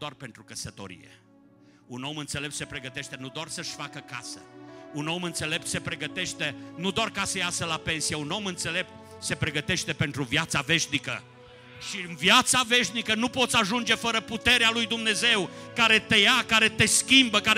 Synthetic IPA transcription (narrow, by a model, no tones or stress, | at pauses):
d̪oarpe̞nt̪ɾukəsət̪o̞̰ɾḭjḛ | uno̞mɨnt̪se̞lep̚t̪se̞pɾe̞ɡət̪e̞ʃt̪e̞nud̪oarsəʃʲfakəka̰səuno̞mɨnt̪se̞le̞p̚t̪se̞pɾe̞ɡət̪e̞ʃt̪e̞nud̪oarkasəjasəlape̞nsijeuno̞mɨnt̪se̞le̞p̚t̪̚ | se̞pɾe̞ɡət̪e̞ʃt̪e̞pe̞nt̪ɾuvjat̪save̞ʃnikə̰ | ʃiɨnvjat̪save̞ʃnikənupo̞t̪sʲaʒund͡ʒe̞fəɾəput̪e̞ɾealujd̪umne̞ze̞wkaɾe̞t̪e̞jakaɾe̞t̪e̞skʲimbəka